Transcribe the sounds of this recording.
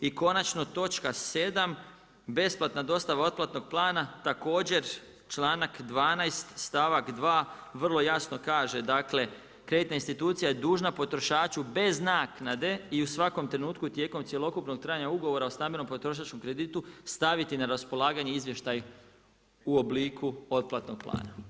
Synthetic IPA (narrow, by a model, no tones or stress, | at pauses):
iko̞nat͡ʃno̞t̪o̞t͡ʃkase̞d̪am | be̞splˠat̪nad̪o̞st̪aʋao̞t̪plˠat̪no̞ɡ̚plˠaːnat̪ako̞ːd͡ʑe̞ɾ | t͡ʃlˠaːnakd̪ʋaːnajst̪st̪aʋakd̪ʋaːʋr̩lˠo̞jasno̞kaːʒe̞d̪akle̞ | kɾe̞d̪it̪nainst̪it̪uːt̪sijajed̪uːʒnapo̞t̪ɾo̞ʃaːt͡ʃube̞znaːknad̪e̞iusʋako̞mt̪ɾe̞nuːt̪kut̪je̞ːko̞msʲje̞lˠo̞kupno̞ɡ̚t̪ɾaːjaɲauɡo̞ʋo̞ɾaost̪ambeno̞mpot̪ɾo̞ʃ̬at͡ʃko̞mkɾe̞d̪iːt̪ust̪aʋit̪inaɾaspo̞lˠaːɡaɲeizʋje̞ʃt̪aj | uo̞bliːkʰuo̞t̪̚plat̪no̞ɡ̥̚plˠa̰ːna